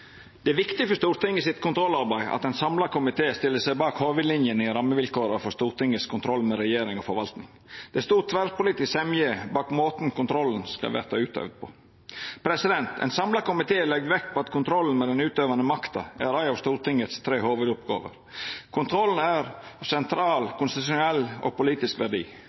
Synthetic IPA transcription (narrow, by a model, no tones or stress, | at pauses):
d̪̥ɛæɾʋɪkt̪ɪfɔʂt̪uːɾt̪ɪŋːəsɪt̪kʰʊnt̪ʰɾɔlɑɾbæɪɑ̰t̪ɛɪnsɑmlɑkʊmɪt̪ʰeːst̪ɪlːəsæɪbɑːkhoːʋʉd̪lɪnjənɪɾɑmːəʋɪlkoːɾəfɔst̪uːɾʈ̪ɪŋːəskʰʊnt̪ʰɾɔlːmɛɾɛjeːɾɪŋɔfɔɾʋɑlt̪nɪŋ | d̪̥ɛst̪uːt̪ʰʋæɾpʰʊlɪːt̪ɪsɛmjeːbɑːkmoːt̪n̩kʰʊnt̪ʰɾɔln̩skɑ̰ʋæ̰ɾt̪ɑʉːt̪ʰø̰ʋd̪̚pʰɔ̰ | pʰɾɛsɪd̪ɛnt̪ɛ̰ɪnsɑmlɑkʊmɪt̪ʰeːlɛɡd̪ʋɛkpʰɔɑt̪kʰʊnt̪ʰɾɔlːn̩mɛd̪ɛnʉːt̪øːʋɑnəmɑkt̪ɑ̰æɾæɪɑʋst̪uːɾt̪ɪŋːət̪st̪ʰɾeːhoːʋʉd̪ʊpɡɑ̰ːʋə̰ɾ | kʰʊnt̪ʰɾɔlːn̩æɾɑsɛnt̪ʰɾɑːlkʰʊnst̪ɪt̪ʉʃʊnɛlːɔ̰ɡpʊliːt̪ɪskʋæɖḭː